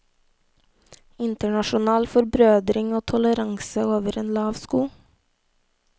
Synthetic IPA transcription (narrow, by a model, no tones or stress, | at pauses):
ɪnt̪əɳɑʃʊnɑːlfɔɾbɾøːd̪ɾɪŋoːt̪ʰɔləɾɑŋsəoːʋəɾeːnlɑːʋskuː